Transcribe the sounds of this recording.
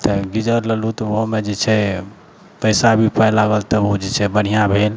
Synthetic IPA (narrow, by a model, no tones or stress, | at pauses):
t̪əɡid͡ʒəɾləlut̪ɔoɦmed͡ʒet͡ʃʰɛ | pəjsabʱipəjlaɡəlt̪əod͡ʒet͡ʃʰɛbəɽ̤ijãbʱel